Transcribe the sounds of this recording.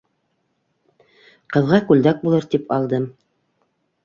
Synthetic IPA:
qɤ̆ðʁɑkʉld̪æk̚bulˠɤɾt̪ipʰɑlˠd̪ɤm

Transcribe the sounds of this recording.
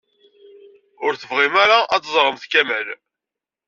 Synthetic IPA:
ʊɾθəvʁimæɾaʔɑt͡s̪ːzˤɾˤəmθkæməl

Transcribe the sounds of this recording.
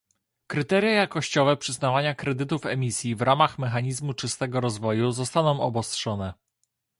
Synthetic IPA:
kɾɘt̪ɛɾʲjajakɔɕt͡ɕɔvɛpʂɘznavaɲakɾɛd̪ɘt̪ufɛmʲisʲjivɾamaxmɛxaɲizmut͡ʂɘst̪ɛɡɔɾɔzvɔjuzɔst̪anɔ̃w̃ɔbɔstʂɔnɛ

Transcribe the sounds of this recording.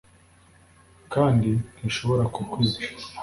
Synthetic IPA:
kaːndiniʃo̞βo̞ɾakuɡwiza

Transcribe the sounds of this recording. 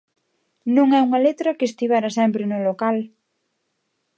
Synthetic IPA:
nũŋɛuŋɐlet̪ɾɐkest̪iβ̞aɾasɛmpɾɪnʊlokal

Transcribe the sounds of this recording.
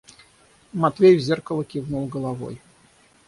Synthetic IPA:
mat̪vʲejvzʲerkəlˠəkʲiɣnulˠɡəlˠavɔ̰j

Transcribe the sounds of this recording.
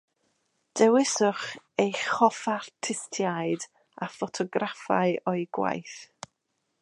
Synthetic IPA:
d̥ɛwɪsʊχ | ejχɔfartʰɪstʰjaɨd | afɔtʰɔɡrafa̰ɨɔɨɡwa̰jθ

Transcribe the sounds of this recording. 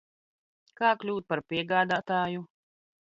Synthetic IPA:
kaːklʲuːt̪̚paɾpʲiɛɡaːd̪aːt̪aːju

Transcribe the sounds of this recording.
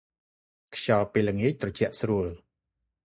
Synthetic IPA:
kʰɕɑlpeːləŋiəc̚t̪rɑt͡ɕɛ̆əʔsruəl

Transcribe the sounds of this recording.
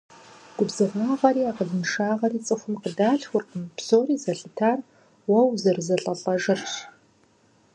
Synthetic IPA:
ɡ̥ʷʊbzɨʁaːʁɐɾiːaːqəɮɨnʂaːʁɐriːt͡sʼɨxʷʊmqədaːɬxʷʊrqəmpsoːriːzɐɬʼɨtʰaːr | wɐwzɐrzɐɬʼɐɬʼɐʒɐrɕ

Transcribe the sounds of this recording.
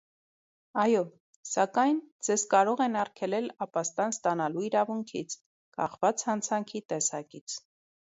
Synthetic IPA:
ɑjɔ | sɑkɑjnd͡zɛzkɑɾɔʁɛnɑrkʰɛlɛlɑpɑst̪ɑnst̪ɑnɑluiɾɑvuŋkʰḭt͡sʰ | kɑχvɑt͡shɑnt͡sʰɑŋkʰit̪ɛsɑkit͡sʰ

